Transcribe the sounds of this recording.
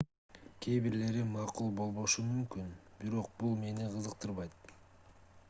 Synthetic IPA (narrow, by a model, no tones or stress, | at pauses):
kʲʰeβiɾle̞ɾimɑqulˠbo̞lˠβo̞ʃumymkynbiɾo̞q̚bulˠme̞niqʰɯzɯqt̪ɯɾβɑjt̪̚